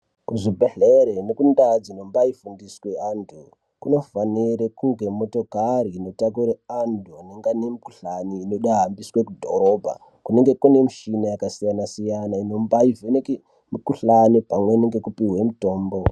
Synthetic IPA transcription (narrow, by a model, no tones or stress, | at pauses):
kuʐibʱeɬeɾenekundad͡zino̞mbaifundisweandu | kuno̞faniɾekuŋɡe̞mo̞to̞kaɾiːno̞tak̬uɾeandʱuaneŋɡanemuku̥ɬaniːno̞ɗaɦambiswekudʱo̰ɾo̞bʱa̰ | kune̞ŋɡe̞kune̞muʃinajakasijanasijanaino̞mbaiveneke | mukuɬanipamweineŋɡe̞kupiwe̞muto̞ːmbo̞